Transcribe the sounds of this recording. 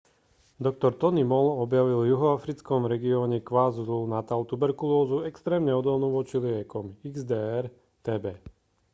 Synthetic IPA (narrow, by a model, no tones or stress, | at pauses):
d̪ɔk̚t̪ɔɾt̪ɔnimɔlɔbjaʋilvjuɦɔafɾit͡skɔmɾɛɡiɔːɲɛkʋazulunat̪alt̪ubɛɾkulɔːzuɛkst̪ɾɛːmɲɛɔd̪ɔlnuʋɔt͡ʃiliɛkɔmiɡzd̪ɛɛɾ | t̪ɛːbɛː